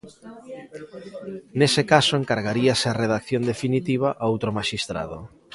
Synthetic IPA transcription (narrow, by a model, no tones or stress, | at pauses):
nesekasoeŋkaɾɣaɾiaseareðakθjond̪efinit̪iβ̞aʔaowt̪ɾomaʃist̪ɾa̰ðo̰